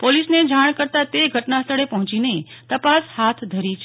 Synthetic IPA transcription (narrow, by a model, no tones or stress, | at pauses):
polisned͡ʒaɽ̃kəɾt̪at̪eɡʱəʈnast̪ʰəɭepəɦɔ̃t͡ʃinet̪əpashat̪ʰd̪ʱəɾit͡ʃʰ